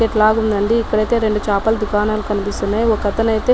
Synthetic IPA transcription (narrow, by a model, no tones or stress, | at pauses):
eʈlaːɡund̪ɐɳɖiːkːɐɽɐjt̪e̞ːɾe̞ɳɖut͡ʃaːpɐld̪ukaːnaːlukɐnipist̪unːaːjɔkɐt̪ɐnɐjt̪e̞ː